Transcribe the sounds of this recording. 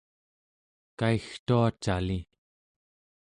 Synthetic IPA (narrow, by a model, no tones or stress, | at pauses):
kaixt̪uat͡ʃali